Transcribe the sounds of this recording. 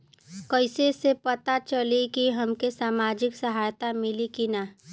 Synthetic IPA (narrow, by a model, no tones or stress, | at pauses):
kəɪsesepɐt̪at͡ʃəlikiɦɐmkesaːmaːd͡ʒɪksəɦaːjt̪amɪlikina